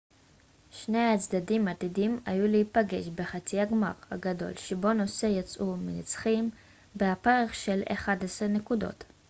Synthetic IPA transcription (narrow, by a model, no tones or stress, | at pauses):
ʃne̞jat͡sd̪adimat̪idima̰juleipaɡe̞ʃbe̞χat͡siaɡma̰ʁha̰ɡado̞̰lʃebo̞no̞se̞jat͡sʔuminit͡sχim | beapeʁχʃe̞lḛχadesʁene̞kudo̞̰t